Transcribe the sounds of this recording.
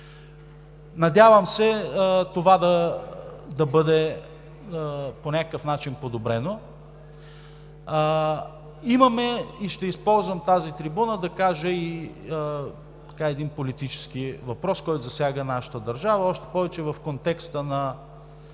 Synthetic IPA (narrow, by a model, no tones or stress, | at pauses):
nɐd̪ʲjavəmsɛt̪ovad̪ɐ | d̪ɐbɤd̪ɛ | ponʲakəkəfnat͡ʃinpod̪obɾɛno | imɐmɛiʃt̪ɛispɔlˠzvəmt̪azit̪ɾibunəd̪ɐkaʒəi | t̪ɐ̥kaɛd̪inpolit̪it͡ʃɛ̥sk̟ivɐpɾɔskɔjt̪ʊzɐsʲjaɡənaʃə̥t̪əd̪ɐɾʒavəɔʃt̪ɛ̥pɔvɛt͡ʃɛvɐfkont̪ɛkst̪ənɐ